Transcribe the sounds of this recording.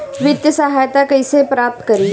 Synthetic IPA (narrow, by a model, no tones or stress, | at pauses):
ʋɪt̪jəsɐɦaːjt̪akɐisepɾaːp̚t̪kɐɾi